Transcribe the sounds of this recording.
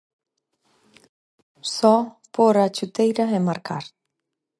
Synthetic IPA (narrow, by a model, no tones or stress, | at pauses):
sɔ | poɾat͡ʃut̪ejɾɐɛmaɾkʰaɾ